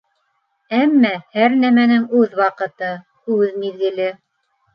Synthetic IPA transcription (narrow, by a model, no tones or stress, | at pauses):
æmːæhæɾnæmænɘŋʉðwɑqɤ̆t̪ɤ | hʉðmiðɡɘ̆lɘ